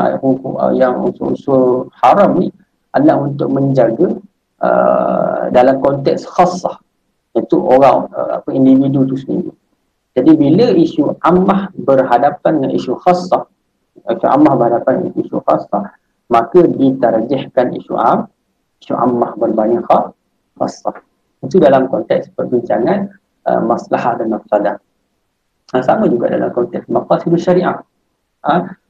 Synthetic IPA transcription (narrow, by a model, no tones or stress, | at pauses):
hukuə̰jaŋssəhaɾami | alaŋunt̪ʊʔ̚məɲd͡ʒaɡə | ə̰ | dalamkɔnt̪ɛ̰ksxɑsɑh | jat̪uʔoɾaŋə̰a̰pəindividut̪usəndḭɾḭ | d͡ʒadibiləiʃuʔamːahbərɦadapananḭʃuxɑsːɑh | iʃuʔa̰mːahbərhadapan̰iʃṵxɑsːɑː | akədit̪ard͡ʒɪhkanḭʃṵʔa̰m | iʃuʔa̰mːahbərbanixɑ | xɑ̰sːɑ̰ | it̪udalamkɔnt̪ɛkspərbiɲt͡ʃaŋan | ə̰maslahat̪̚danasada | əsamãd͡ʒuɡa̰ʔda̰la̰mkɔnt̪ɛksmaqɑsidalʃaɾiʔa̰ʔ | ə